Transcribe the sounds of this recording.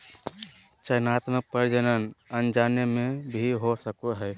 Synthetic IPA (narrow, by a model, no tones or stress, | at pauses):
t͡ʃəjnat̪mək̚pəɾd͡ʒənənənd͡ʒanemẽbʱiɦosəkuɦɛ